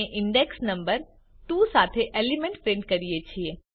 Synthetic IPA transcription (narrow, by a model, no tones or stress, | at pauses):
ʔɪ̃ɳɖeksnɐ̃mbəɾ | t̪usaːt̪ʰeʔeːlimẽɳʈpɾẽːɳɖ̚kɐɾiet͡ɕʰie